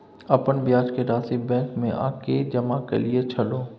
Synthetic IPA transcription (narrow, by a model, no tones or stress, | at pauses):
ɐpənbɪjaːd͡ʒkeɾaːsibɛ̃ːŋkmẽʔa̰ːked͡ʒɐmakɐ̰lijet͡ʃʰɐloː